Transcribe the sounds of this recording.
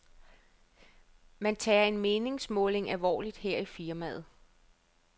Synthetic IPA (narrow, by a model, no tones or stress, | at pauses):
mænt͡sʰɛːɐe̝nme̝ːne̝ŋsmɔ̽ːle̝ŋælʋɒ̰ːlid̥heɐ̰ifiɐmæð̩ˠ